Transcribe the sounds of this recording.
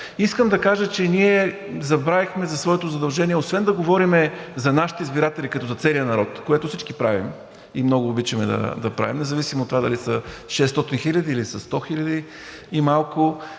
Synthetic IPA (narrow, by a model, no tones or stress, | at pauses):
iskəmd̪ɐkaʒət͡ʃɛniɛ | zɐbɾavixmɛzɐsvɔɛt̪ozɐd̪ɐlˠʒɛniɛosvɛnd̪ɐɡovɔɾimɛzɐnaʃi̥t̪ɛizbiɾat̪ɛlikɐt̪ɔzɐt̪sɛlijənɐɾɔt̪koɛt̪ʊfsit͡ʃkipɾavḭm | imnɔɡʊːbit͡ʃɐmɛd̪ɐ̰d̪ɐpɾa̰vimnɛzɐvisimot̪ːovad̪ɐ̰lisəʃɛst̪ɔt̪inxilʲɐd̪iːlisɐst̪ɔxilʲɐd̪iː | malˠkʊ